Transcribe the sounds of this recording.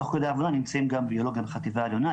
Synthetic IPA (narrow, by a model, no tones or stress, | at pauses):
χkod̪eaːvonanimt͡saimɡambio̞lo̞ɡjambeχat̪ivaeljo̞na